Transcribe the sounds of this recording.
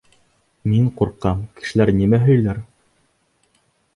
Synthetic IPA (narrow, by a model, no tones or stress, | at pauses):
miɴquɾqːɑmkɘ̥̆ʃɘ̆læɾnimæɦɵ̆jlæɾ